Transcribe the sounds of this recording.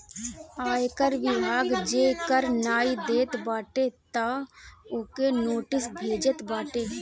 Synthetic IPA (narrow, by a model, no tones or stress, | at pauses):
aːjkəɾʋɪbʱaːɡd͡ʒeːkəɾnaːid̪eːt̪baːʈet̪aʊkenoːʈɪsbʱeːd͡ʒət̪baːʈeː